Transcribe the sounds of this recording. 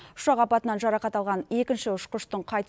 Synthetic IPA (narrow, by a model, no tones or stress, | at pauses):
ʊ̥ʃɑqɑpɑt̪ənɑnʒɑɾɑqɑt̪ɑlˠʁɑne̞kʲɪnʃɪʊʃqəʃt̪əɴqʰɑjt̪